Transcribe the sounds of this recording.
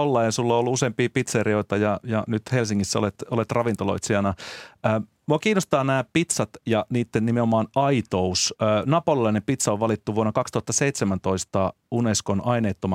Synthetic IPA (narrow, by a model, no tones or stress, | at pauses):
olːɑjɑsulːoolːuuseːmpiːpit̪seriojt̪ɑjɑjɑnyt̪helsiŋːisːæolet̪olet̪rɑʋint̪olo̰it̪siɑnɑəː | muɑkiːnːost̪ɑːnæːpit̪sɑt̪jɑniːt̪ːennimeomɑːnɑit̪ousøːnɑpolilɑinempit̪sɑoʋʋɑlit̪ːuʋuonːɑkɑkst̪uhɑt̪ːɑseit̪semænt̪o̞ist̪ɑ | uneskonʔɑineːt̪ːomɑ